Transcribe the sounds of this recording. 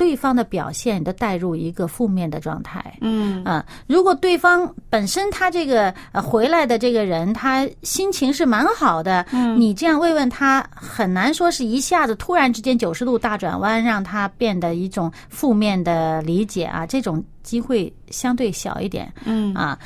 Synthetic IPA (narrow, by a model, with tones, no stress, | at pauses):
t̪we˥˩ɪfɑ˥ŋd̪ə˨pjɑ˨˩ʊɕjɛ˥˩ni˨˩d̪ə˧˥t̪a˥˧ɪɻu˥˩i˧˥ɡə˧fu˥˧mjɛ˥˩nd̪ə˩ʈ͡ʂwɑ̰˥˧ŋt̪ʰa̰˥˩ɪə˥˧ | ɻu˧˥kwɔ˨˩t̪we˥˩ɪfɑ˥ŋpə˨˩nʂə˥nt̪ʰa˥ʈ͡ʂɤ˥˩ɡə˩ə˧xwe˧˥ɪla˧˥ɪd̪ə˧ʈ͡ʂɤ˥˩ɡə˩ɻə˧˥nt̪ʰa˥ɕi˥nt͡ɕʰi˧˥ŋʂɻ̩˥˩ma˧˥nxɑ˨˩ʊd̪ə˦ni˨˩ʈ͡ʂɤ˥˧jɑ˥˧ŋwe˥˧ɪwə˥˩nt̪ʰa˥xə˨˩nna˧˥nʂwɔ˥ʂɻ̩˥˩i˧˥ɕja˥˩d͡zɹ̩˩t̪ʰu˥ɻa˧˥nʈ͡ʂɻ̩˥t͡ɕjɛ˥nt͡ɕjo˨˩ʊʂɻ̩˧t̪u˥˧t̪a˥˩ʈ͡ʂwa̰˨˩nwa˥nɻɑ˥˩ŋt̪ʰa˥pjɛ˥˩nd̪ə˩i˥˩ʈ͡ʂʊ˨˩ŋ | fu˥˧mjɛ˥˩nd̪ə˩li˧˥t͡ɕjɛ̰˨˩˦ʔɐ̰˧˦ʈ͡ʂɤ˥˩ʈ͡ʂʊ˨˩ŋt͡ɕi˥xwe˥˩ɪ | ɕjɑ˥ŋt̪̬we˥˩ɪɕjɑ̰˨˩ʊḭ˥˩t̪jɛ̰˨˩˦nɐ̰˧